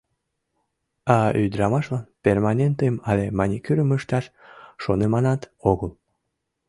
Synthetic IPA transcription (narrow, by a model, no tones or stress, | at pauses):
ɑyd̪ɾɑmɑʃlɑnpʲermɑnʲent̪emɑlemɑnʲikyɾəməʃt̪ɑʃʃonemɑnɑt̪oɣəl